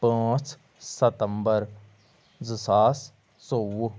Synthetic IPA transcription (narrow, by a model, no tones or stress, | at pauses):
pãːt͡ʃ | sət̪əmbəɾ | zəsaːs | soːw